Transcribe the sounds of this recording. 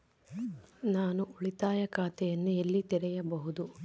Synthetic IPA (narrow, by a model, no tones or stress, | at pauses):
naːnuuɭit̪aːjɐkaːt̪ɛjɐnːuelːit̪ɛɾɛjɐbɐɦud̪u